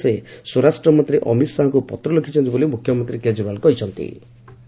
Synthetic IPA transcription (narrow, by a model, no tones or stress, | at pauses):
esɔɾasʈɾɔmɔnt̪ɾiʔɔmit̪saɦɔŋkupɔt̪ɾɔlokʰit͡ʃʰɔnt̪ibolimukʰːjɔmɔnt̪ɾiked͡ʒɾibalkɔɦit͡ʃʰɔnt̪ḭ